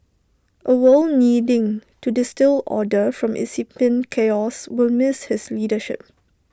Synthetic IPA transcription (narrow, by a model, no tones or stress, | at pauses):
ʔəwəlnidɪ̃ŋtudɪstɪlɔ̰dəfɹɔ̃mʔḭsipə̃nkʰeɔswɪlmɪshɪsliːdəʃɪ̰p̚